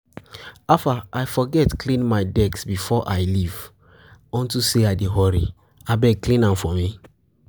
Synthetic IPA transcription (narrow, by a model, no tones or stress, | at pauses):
afaajfɔɡɛtklĩnmaɪdɛksbifɔʔajliv | ɔ̃ntuseaɪdeɦɔɹḭ | abɛklĩnãmfɔ̃mi